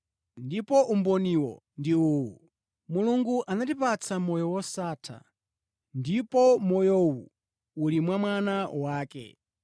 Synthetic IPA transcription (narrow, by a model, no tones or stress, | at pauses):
ndipɔʔumbɔniwɔ̰ | ndiuːwu | muluŋɡuʔanatipat͡sʰamɔjɔwɔsaːtʰa̰ | ndipɔmɔjɔwu | ulimwamwanawaːkɛ̰